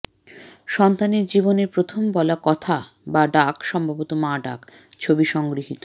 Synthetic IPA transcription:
ʃɔnt̪aneɾd͡ʑiboneɾpɾot̪ʰombɔlakɔt̪ʰa | baɖakʃɔmbʱabot̪omaɖa̰k | t͡ɕʰobiʃɔŋɡɾiɦit̪o

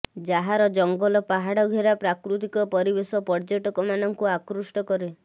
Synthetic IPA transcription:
d͡ʒaɦaɾɔd͡ʒɔŋɡɔlɔpaɦaɽɔɡʱeɾapɾakɾut̪ikɔpɔɾibesɔpɔɾd͡ʒɔʈɔkɔmanɔŋkuakɾusʈɔkɔɾe

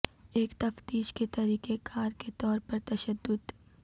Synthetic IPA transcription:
eːkt̪ɐft̪iːʃket̪ɐɾiːkekʰaːɾket̪ɔːɾpɐɾt̪ɐʃəd̪ːʊd̪

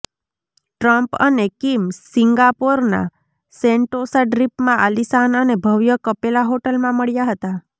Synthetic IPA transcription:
ʈɾəmpə̰nekimsiŋɡapoɾna̰ | seɳʈosaɖɾipmãʔalisanənebʱəʋjəkəpelaɦoʈəlmãməɭjaɦət̪a

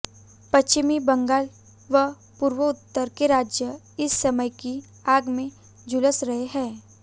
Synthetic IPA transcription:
pɐst͡ʃɪmibɐ̃ŋɡaːl | ʋə | puːɾʋəʊt̪ːəɾkeɾaːd͡ʒjə | ɪsːɐməjki | aːɡmẽ | d͡ʒʊləsɾɐɦeɦɛ̃ː

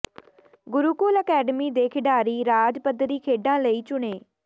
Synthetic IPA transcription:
ɡʊɾuːkoːləkɛːɖəmiːd̪eːkʰɪɖaːɾiːɾaːd͡ʒpəd̪ɾiːkʰeːɖãːləiːt͡ʃʊɳeː

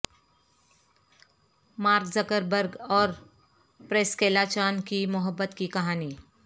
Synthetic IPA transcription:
maːɾkzəkəɾbəɾɡɔːɾ | pɾeːskeːlat͡ʃaːnkimʊɦəbːət̪kikɐɦaːniː

